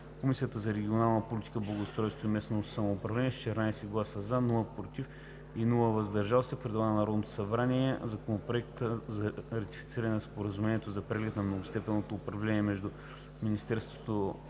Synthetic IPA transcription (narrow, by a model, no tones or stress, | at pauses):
komisijət̪əzɐɾɛɡʲionalˠnəpolʲit̪i̥kəblˠɐɡost̪ɾɔjst̪voimɛsnosɐmoːpɾɐvlɛniɛt͡ʃ̪ɛɾnajsɛɡlˠasəzanulˠəpɾot̪if | inulˠəvɐzd̪ɐɾʒalˠsɛpɾɛd̪vˠanɐnɐɾɔd̪not̪o̥sɐbɾaniɛzɐkonopɾoɛk̚t̪əzɐɾɐt̪ifit̪siɾɐnɛnspoɾɐzumɛnʲiɛt̪ozɐpɾɛɡlɛt̪nɐmnoɡost̪ɛpɛnot̪oːpɾɐvlɛniɛmɛʒd̪u | minist̪ɛɾst̪vo̥t̪o